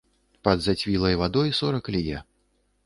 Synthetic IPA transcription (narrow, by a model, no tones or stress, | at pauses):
pɐd̪zat͡sʲvʲilˠɐjvad̪ɔjsɔɾɐklʲijɛ